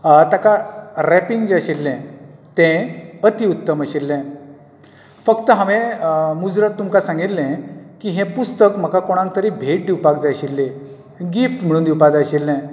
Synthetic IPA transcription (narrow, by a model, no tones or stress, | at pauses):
t̪akaɾɛpiŋɡd͡zaɕilːɛ̃t̪ɛ̃ət̪iut̪ːəməɕilːɛ̃ | fəkt̪əɦãʋɛ̃mud͡zɾət̪ːumkasãŋɡit̪lːɛ̃kiɦɛ̃pust̪əkm̤əkakoɽ̃ãŋk̚t̪əɾibʱeʈ̚d̪iwpakd͡zaɕilːe | ɡifʈm̤əɽ̃uːnd̪iwpad͡zaɕilːɛ̃